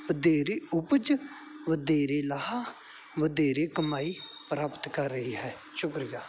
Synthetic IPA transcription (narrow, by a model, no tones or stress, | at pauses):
ʋəd̪eːɾeːʊpəd͡ʒ | ʋəd̪eːɾeːlaɦaː | ʋəd̪eːɾeːkəmaːiːpɾaːpət̪kəɾːəɦiːɦɛː | ʃʊkɾijaː